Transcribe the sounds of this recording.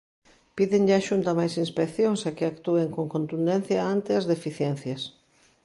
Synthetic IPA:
piðeŋʎaʃunt̪ɐmajsinspekθjoŋsɐkɪakt̪ueŋkoŋkont̪und̪ẽnθjɐant̪ɪɐzðefiθjɛn̟θjɐs

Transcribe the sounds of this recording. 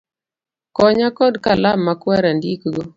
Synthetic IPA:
kɔɲakɔdkalamːakwaɾandikɡo

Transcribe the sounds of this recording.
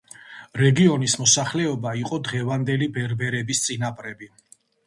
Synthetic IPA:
ɾɛɡiɔnismɔsaχlɛɔbaiqʼɔd̪ʁɛvand̪ɛlibɛɾbɛɾɛbist̪sʼinapʼɾɛbi

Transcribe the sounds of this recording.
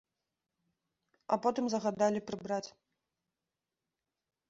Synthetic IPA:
ɐ̰pɔt̪ɨmzɐɣad̪alʲipɾɨbɾat͡sʲ

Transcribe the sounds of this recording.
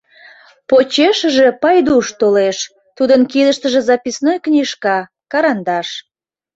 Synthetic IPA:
pot͡ɕeʃəʒepɑjd̪uʃt̪oleʃ | t̪ud̪ənkid̪əʃt̪əʒezɑpisnojknʲiʃkɑ | kɑɾɑnd̪ɑʃ

